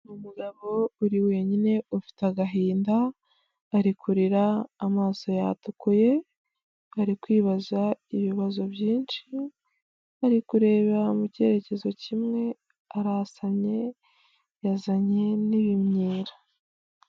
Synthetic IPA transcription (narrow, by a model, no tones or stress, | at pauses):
numuɡaβo̞uɾiwe̞ɲine̞ufi̥teaɡaɦiːndaː | ɾikʰuɾiɾaːmaːso̞ja̰tukuje̞ | aɾikwiːβazaiβiβazo̞bjiːnʃi | aɾikuɾe̞ːβamuce̞ɾe̞ce̞zo̞cimŋe̞ | aɾasamɲe̞ | jazaɲe̞niβimɲiːɾḁ